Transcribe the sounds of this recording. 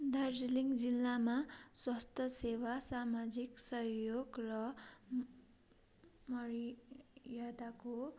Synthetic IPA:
d̪ard͡ziliŋd͡zilːamaswʌst̪ʰʌsewasamad͡ziksʌɦjoɡrʌ | mʌɾijad̪ako

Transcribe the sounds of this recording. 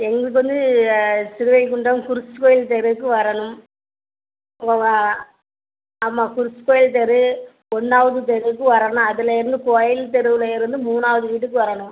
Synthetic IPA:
ɛŋɡɐɭɯk̬ːɯʋɐnd̪ɯsɪɾɯʋɐɪkʊɳɖɾɐmkʊɾɪsɯkoːjɪlt̪ɛɾɯkːɯʋɐɾɐɳɯm | ɐmːaːkʊɾɪsɯ̥koːjɪlt̪̬ɛɾɯ | ɔɳːaːʋɐðɯt̪̬ɛɾɯkːɯʋɐɾɐnɯ̃mɐðɪlɐɪɾɯnd̪ɯkoːjɪlt̪ɛɾɯʋɪlɐɪɾɯnd̪ɯmuːnaːʋɐðɯʋiːʈ̬ːɯkːɯʋɐɾɐɳɯm

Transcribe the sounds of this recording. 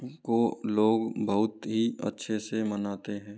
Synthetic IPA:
koloːɡbəɦʊt̪ɦiə̰tːʃʰesemənaːt̪eɦɛ̃ː

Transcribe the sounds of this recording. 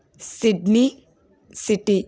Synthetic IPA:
siɖni | siʈi

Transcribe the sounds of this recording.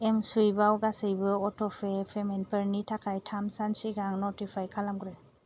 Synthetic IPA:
emsujbawɡasɯjbɯɔtʰɔpʰepʰemenpəɾnitʰakʰajtʰamsansiɡaŋnɔtipʰajkʰalamɡɾɯ

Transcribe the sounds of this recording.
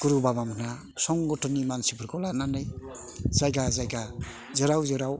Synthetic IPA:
kuɾubabamʰna | sɔŋɡɔtɔnimansipʰɯɾkɔlananɯj | zajɡazajɡa | zɯɾawzɯɾaw

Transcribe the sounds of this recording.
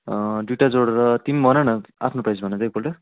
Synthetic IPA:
ɖuʈad͡zoɽɾʌt̪imbʱʌnʌnʌapʰnoprajd͡zbʱʌnʌd͡zʌjkolʈʌ

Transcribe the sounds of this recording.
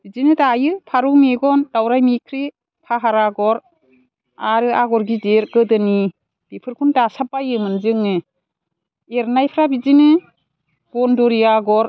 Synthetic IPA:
b̥izinɯdajɯpʰaɾuk̚miɡɔndawɾajmikʰɾi | pʰaɦaɾaɡɔɾ | aɾɯʔaɡɔɾɡideɾɡɯdɯni | b̥ipʰɯɾkʰundasapːajɯmɯnzɯŋːɯ | eɾnajpʰɾabizinɯ | ɡ̥ɔnduɾijaɡɔɾ

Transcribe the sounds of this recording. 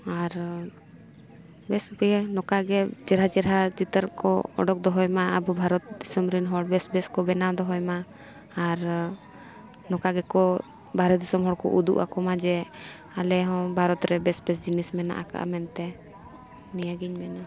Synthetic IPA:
aɾ | bɛsbɛnɔkaɡɛt͡ʃɛɾɦat͡ʃɛɾat͡ʃit̪əɾkɔ̰ɔ̰ɖɔk̚d̪ɔɦɔjmaabubʱaɾɔt̪̚d̪isɔmɾinɦɔɽbɛsbɛskɔbɛnawd̪ɔɦɔjmaː | ɾ | nɔkaɡɛkɔ | bʱaɾɛt̪̚d̪isɔmɦɔɽkɔ̰ʔud̪ṵʔa̰kɔmad͡ʒɛ | alɛɦɔ̃bʱaɾɔt̪ɾɛbɛsbɛsd͡ʒinismɛna̰ʔa̰ka̰ʔa̰mɛnt̪ɛ | nijaɡiɲmɛna

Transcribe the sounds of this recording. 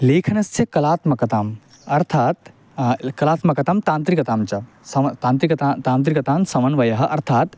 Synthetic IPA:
leːkʰɐnɐst͡ʃʰekɐlaːt̪mɐkɐt̪aːm | ɐɾt̪ʰaːt̪ | kɐlaːt̪mɐkɐt̪amt̪ãːnt̪ɾikɐt̪aːmt͡ʃɐ | sɐt̪ãːnt̪ɾikɐt̪at̪aːnt̪ɾikɐt̪aːnsɐʋɐnʋɐjɐɦɐʔɐɾt̪ʰaːt̪

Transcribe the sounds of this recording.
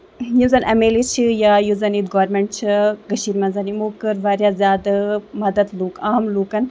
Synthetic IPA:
juzɐnʔɐmeːlit͡ʃʰijaːjuzɐnit̪ɡoːɾmeɳʈ̚t͡ʃʰiɡɐʃiːɾmɐnzɐnimoːkəɾʋaːɾjaːzʲjaːd̪ɐmɐd̪ɐd̪luːkaːmluːkɐn

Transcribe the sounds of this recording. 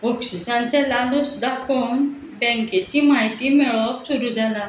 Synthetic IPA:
okɕisãnt͡sɛ̃lalusd̪akon | bɛ̃ŋket͡ɕimaɦjt̪imeɭɔksuɾud͡zalã

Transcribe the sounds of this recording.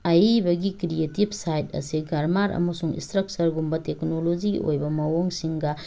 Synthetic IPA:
ɐjbɐɡikɾietibʱsajt̚ɐ̰siɡɐɾmaɾɐ̰mɐsuŋḭnstɾɐk̚sɐɾɡumbɐteknolod͡ʒḭo̰jbɐmɐwoŋsiŋɡɐ

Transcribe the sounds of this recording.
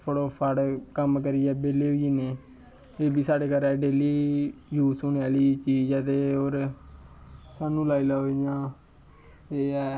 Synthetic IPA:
pʰooːpʰəɽkəmkəɾiːɛːbeːleːɦoiːneː | eːbiːsaːɖeːkəɾɛːɖeːliːjuːsoneːaːliːt͡ʃiːd͡ʒɛːt̪eːoːɾ | saːnũːlaːilaːoijãː | eː

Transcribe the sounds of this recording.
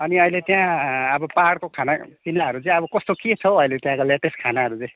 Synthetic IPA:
ʌniʌilet̪jãʌbʌpaɽkokʰanapinaɦʌɾud͡zʌ̃j̃ʌbʌkʌst̪oket͡sʰʌʌjlet̪jãkoleʈeskʰanaɦʌɾud͡zʌ̃

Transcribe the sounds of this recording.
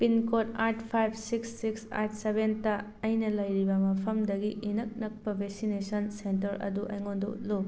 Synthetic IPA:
pinkotaɾtʰpʰajb̚ʰʱsiksːiksa̰tsebentɐː | jnɐlɐjɾibɐmɐpʰɐmdɐɡiinɐk̚nɐk̚pɐbʱek̚sinesɐnsentɐɾɐ̰duʔɐ̰jŋondṵtlo

